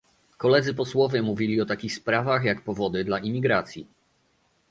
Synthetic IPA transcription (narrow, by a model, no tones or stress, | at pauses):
kɔlɛd̪zɘpɔswɔvʲjɛmuvʲilʲiɔt̪akʲixspɾavaxjakpɔvɔd̪ɘd̪laʔimʲiɡɾat̪sʲjḭ